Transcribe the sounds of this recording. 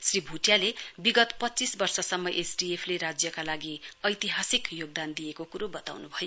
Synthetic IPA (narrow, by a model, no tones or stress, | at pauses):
sribʱuʈjalebiɡʌt̪pʌtːt͡sisbʌrsʌsʌmːʌʔesɖiepʰleɾad͡zjʌkalaɡiʌjt̪iɦasikjoɡ̚d̪and̪ijekokuɾobʌt̪a̰wnubʱʌjo